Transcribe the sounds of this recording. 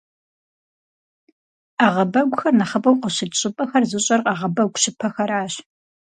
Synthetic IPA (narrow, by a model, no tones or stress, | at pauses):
aːʁɐbɐɡʷʊxɐrnɐχɐpʼɐwqəɕɪdɕʼɪpʼɐxɐrzɨɕʼɐrqʼɑːʁɐbɐɡʷɕɪpʰɐxɐɾaːɕ